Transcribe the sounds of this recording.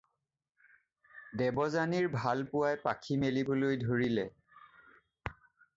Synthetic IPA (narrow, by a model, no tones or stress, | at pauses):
dɛbɔzaniɹbʱalpʊwajpakʰimelibolojdʱoɹilɛ